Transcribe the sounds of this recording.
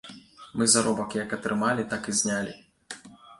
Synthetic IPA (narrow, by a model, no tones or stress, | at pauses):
mɨzaɾɔbɐkjɐkɐt̪ɾɨmalʲit̪akɨzʲnʲalʲi